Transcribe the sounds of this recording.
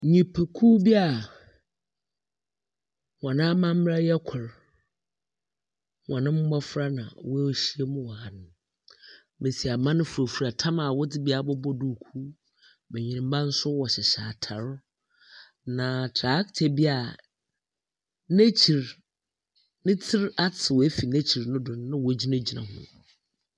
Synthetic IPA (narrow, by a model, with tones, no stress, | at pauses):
ɲĩ˨pʰe˨kʰu˦bi˦a˨ | wɔ̃˨nã˦mã˦m̩˦m˦ɾa˦jɛ˦kʷʰʊ˨ɾ | wɔ̃˨nɪ̃˦m̩˦ɡ͡bɔ˦fɾa˦nã̰˨wʊ˦˨ɕi˦e˦mʊ̃˦wɔ˨ha˨nʊ̃˨ | me˨si˨a˨mã˦nʊ̃˦fu˨ɾo˨fu˨ɾa˨tʰã˦ma˨wʊ˦dɪ˦bi˦a˨bɔ˦bɔ˦du˦˨kʰu˦ | me˨ɲĩ˨ɪ̃˨m˦bã˦n̩˦sʊ˦wɔ˨ɕɛ˨ɕaː˨tʰã˨ɾ | nã˨tʰɾa˨˦ktʰe˨bi˦a˨ | ne˦t͡ɕʰi˨ɾ | nɪ̃˦tʰɪ˦ɾa˦tʰɪ˨wɔ˨æ˦fi˨nɛ˦t͡ɕʰi˨ɾnʊ̃˦dʊ̃˨n˦nã˦wɔ˨˦d͡ʑi˦nɛ̃˦d͡ʑi˨nã̰˨hʊ̰̃˦